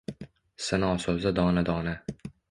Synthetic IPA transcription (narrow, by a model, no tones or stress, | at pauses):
sanaɒsozad̪ɒːnad̪ɒːna